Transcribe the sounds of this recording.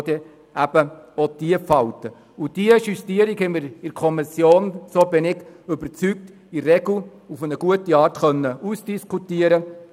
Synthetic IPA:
dɛ | ʔæb̥əɔd̥iəfɑltə | ud̥iəʃystiəɾikhɛməɾɪɾkʰɔmɪsjoːnsoːbɪnɪɡʏbəɾt͡syk̚t | irɛɡl̩ufənəɡ̥uətiɑːɾtχœnːəʔuːsd̥iskʰutiəɾə

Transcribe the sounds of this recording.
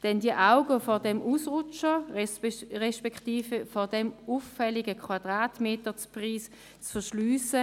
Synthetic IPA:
d̥ɛndiəʔaʊɡəfɔɐdɛmʔuːsʁʊt͡ʃə | ʁɛʃpɛktiːfəfɔdɛmufːɛlɪɡəkʰwad̥ʁaːtmeːtət͡spʁiːs | t͡sfɛɐʃlyːsə

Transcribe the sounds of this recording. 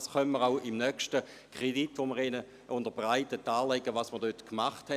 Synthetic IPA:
sχœnməʁaʊimnœkʃtə | kʁ̥editʋoməʁenə | ʔʊndəbʁaɪtətːaːlɛɡəvɑsməɐʁdøtkmaχthɛ

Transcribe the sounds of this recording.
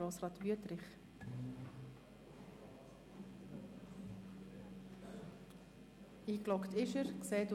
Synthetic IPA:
oːsʁɑːt̪ʋyətɾɪχ | iːklɔkt̪ɪʃəɾkseːt

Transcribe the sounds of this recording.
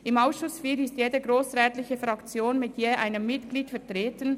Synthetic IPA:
ɪmaʊsʃʊsfiːɾɪstjeːdəɡʁoːsʁɛːtlɪçəfʁɑkt͡sjoːnmɪtʰjeːʔa̰ɪnəmːɪtɡ̥liːtfɛɐtʁeːtən

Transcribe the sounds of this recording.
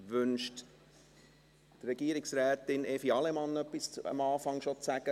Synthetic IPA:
ʋʏnʃt | t̪rɛɡ̥iəɾɪksɾɛːt̪ɪnɛfiɑlɛmɑnːœpːisə̰mɑːfɑŋʃot͡sæɡə

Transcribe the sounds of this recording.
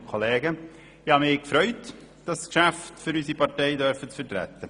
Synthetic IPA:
kʰolɛːɡə | ɪhɑmɪːkfɾœʏt | d̥ɑskʃæftfʏɾysipɑteɪdœɾfət͡sfətɾɛ̰tːə

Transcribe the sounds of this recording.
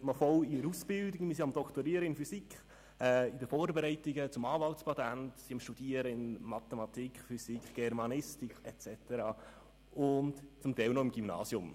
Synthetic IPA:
mɑfɔliəɾusb̥ɪldɪɡmɪsiɑmd̥̪ɔktoɾiəɾəɪnfysikχ | ɛɪdəfoːɾbɛɾɛɪtiɡət͡sʊmɑːvɑltspʰɑtæntsiɑmʃtud̥iəɾəɪnmɑt̪ɛmɑt̪iːkχfysikχɡ̥ɛɾmɑnɪstikɛtt͡sɛt̪əɾɑː | ʊntt͡sʊmtɛɪlnɔɪmɡ̥ymnɑ̰ːsjʊm

